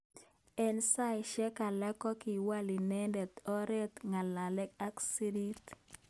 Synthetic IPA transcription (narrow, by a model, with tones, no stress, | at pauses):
ɛ˦nsa˦jʃɛ˦ka˨la˦kɔ˦ki˨wa˦li˨nɛ˦ndɛ˨t̪ɔ˦ɾɛ˦t̪ŋa˨la˨lɛ˦k̚a˦ksi˦di˦t̪